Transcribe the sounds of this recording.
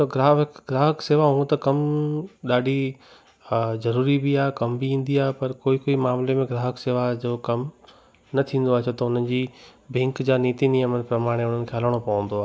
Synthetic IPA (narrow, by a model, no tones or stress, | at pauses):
oɡɾaːɦɪkɡɾaːɦəkseːʋaɦũt̪ɐkɐmɗaːɖʱi | zɐɾuːɾibiaːɦekɐmbʱiĩːnd̪iaːepɐɾkoːikoːimaːmlemẽɡɾaːɦəkseːʋad͡ʑoːkɐm | nɐt̪ʰĩːn̆d̪oaːot̪ɐʊn̤ənd͡ʑiːbɪ̃ŋkd͡ʑaːniːt̪inijəmənpɾɐmaːɽ̃eʊn̤ənɪ̆kʰeɦələɽ̃opɐʋə̃n̆d̪oaːe